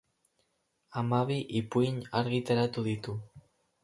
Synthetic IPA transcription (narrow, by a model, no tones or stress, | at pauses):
amaβiʔipuiɲaɾɣit̪eɾat̪uðit̪u